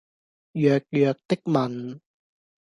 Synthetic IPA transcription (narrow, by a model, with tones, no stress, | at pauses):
jœː˨k̚jœː˨k̚t̪ɪ˥k̚mɐ˨n